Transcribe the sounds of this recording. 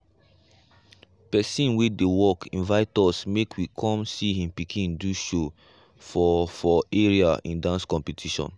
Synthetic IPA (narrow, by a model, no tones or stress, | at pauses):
pɛsĩnwidewɔkʰĩnvaɪtɔsmekʰwikʰɔ̃msihĩmpikʰĩmduʃo | fɔfɔeɹiaĩndãnskɔ̃mpitʰiʃɔ̰̃n